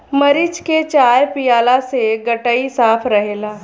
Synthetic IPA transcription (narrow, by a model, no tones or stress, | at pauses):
mɐɾɪt͡ʃket͡ʃaːjpijaːlaseɡɐʈəisaːfʰɾɐɦeːlaː